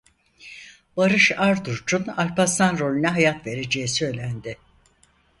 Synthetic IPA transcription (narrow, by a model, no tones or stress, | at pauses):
baɾɯʃaɾd̪uɾd͡ʒunalʲpast̪anɾo̞lʲynɛɦajat̪ve̞ɾe̞d͡ʒe̞jisø̞jlʲænd̪ɪ